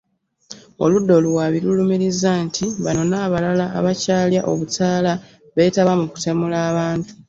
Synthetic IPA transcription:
o̞̰ludːo̞luwaːβiɾulumiɾizːantʰiβano̞naːβalala̰ːβacaːljaʔo̞̰βutaːla | βe̞ːtaβamuku̥temulaːβaːntu̥

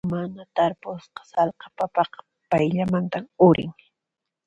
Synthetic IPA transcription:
manat̪aɾpʊsqɑ̥sɑlqɑ̥papɑq | pajʎamant̪amʊɾʔɪ̰ŋ

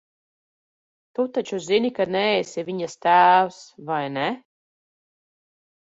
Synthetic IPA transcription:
t̪ut̪at͡ʃuzinikanɛɛsʲɛvʲiɲast̪æːwsvajnɛ

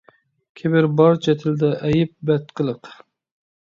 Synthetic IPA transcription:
kʲʰebɪɾbɑɾt͡ʃʰɛt̪ʰɪld̪ɛʔɛjɪp̚bɛt̪̚qʰəlˠəq

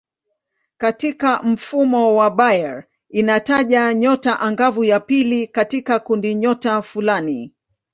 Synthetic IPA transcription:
katikam̩fumɔwaɓajɛɹ | inataʄaɲɔtaʔaŋɡavujapilikatikakundiɲɔtafulani

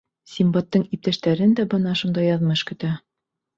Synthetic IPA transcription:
sʲimbɑt̪ːɤɴip̚t̪æʃt̪æɾɘnd̪æbɤ̆nɑʃund̪ɑjɑðmɤʃkɵ̆t̪æ

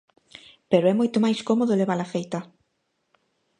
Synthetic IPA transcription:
peɾoɛmojt̪ʊmajskomoðʊleβalafejt̪ɐ

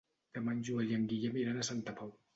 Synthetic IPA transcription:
t̪ɛːmand͡ʒuəljaŋɡijamiɾanasant̪apʰaw

